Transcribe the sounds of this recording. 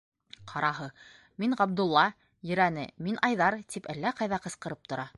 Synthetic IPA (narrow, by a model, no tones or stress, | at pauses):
qʰɑɾʔɑɦɤ | miɴʁɑb̚d̪ulˠːɑ | jɵ̆ɾænɘ̰minʔɑjðɑɾt̪ipælːæqɑjðɑqɤ̆sqɤ̆ɾɤp̚t̪ŏɾɑ